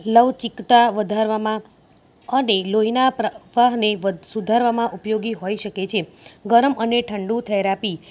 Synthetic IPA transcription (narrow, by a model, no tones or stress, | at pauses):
ləʋt͡ʃikt̪aʋəd̪ʱaɾʋamã | əneloɦinapɾəʋaɦneʋsud̪ʱaɾʋamãʔupjoɡiɦoiʃəket͡ʃʰeɡəɾəməneʈʰəɳɖũt̪ʰeɾapi